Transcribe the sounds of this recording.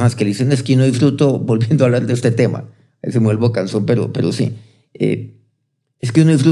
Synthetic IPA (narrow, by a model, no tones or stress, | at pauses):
maskeliseneskeunoifɾut̪obo̞lbje̞nd̪oaβlaɾðeest̪e̞t̪e̞ma̰ | ḛsemwelbokanso̞mpe̞ɾo̰pe̞ɾo̞sḭ | ḛ | eskeunoif̬ɾu